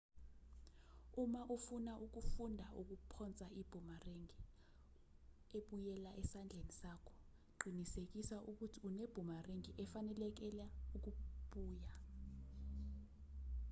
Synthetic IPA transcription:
umaʔufunaʔuk̬ufundʱauk̬upʰɔnt͡sʼaib̥ʱumareŋi | eɓujɛlaʔɛsand͡ɮʱenisakʰɔ̥ | ǃʱinisek̬isaʔuk̬utʰiuneb̥ʱumareŋiʔɛfanɛlɛk̬ɛlauk̬uɓuːja

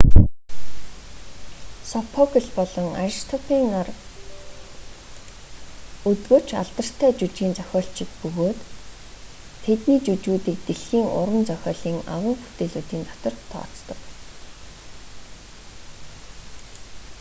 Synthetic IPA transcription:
sɔpʰɔkə̆ɮpɔɮɞ̆ŋaɾiʃt̪ʰɔpiːŋar | ɵt̪ɡoːt͡ɕʰa̰ɮt̪ə̆r̥t̪ʰæːt͡ɕut͡ɕɡiːnt͡sœxʲɔːɬt͡ɕɪ̆k̚pɵɣoːt̪ | t̪ʰet̪niːt͡ɕut͡ɕuːt̪iːk̚t̪eɮxiːŋʊ̰ɾwə̆nt͡sœxʲɔːɮiːŋa̰ʁʊːŋpu̥t̪eːɮuːt̪iːnt̪ɔ̥t̪ɞ̆rt̪ʰɔ̰ːt͡st̪ɞ̆k

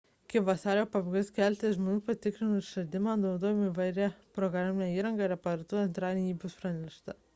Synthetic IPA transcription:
kʲɪpʋɐsɑːɾʲoːpɐbɡɐsʲkʲɛlʲt̪ʲeʒmoːnʲuːpɐt̪ʲɪkɾʲɪnʊʃɐlʲd̪ʲɪmɑːd̪oːd̪oːjmiʋɐɪɾʲɛpɾɔɡɾaːmʲɪnʲɛiːɾɐŋɡɑɾɐpɐɾɐt̪uɛnt̪ɾɑːlʲɛnʲiːbʲʊspɾɑnʲɛʃt̪ɐ

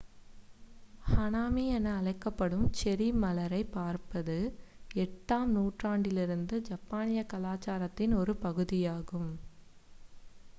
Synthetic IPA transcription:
hɐnaːmijɐnɐɐlɐɪkːɐpːɐɽɯmt͡ʃɛɾimɐlɐɾɐɪpːaːɾpɐðɯɛʈːaːmnuːʈraːɳɖɪlɪɾɯnd̪ɯd͡ʒɐpːaːnɪjɐkɐlaːt͡ʃaːɾɐt̪ːɪnɔɾɯpɐɣɯðɪjaːɣɯm

